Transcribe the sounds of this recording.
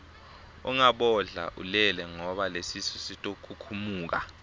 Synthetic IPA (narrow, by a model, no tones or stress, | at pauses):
ɔ̰ŋaɓɔɮa̰ʔulɛlɛŋɔɓalesisɔsitʼokʰukʰumuːk̬a̰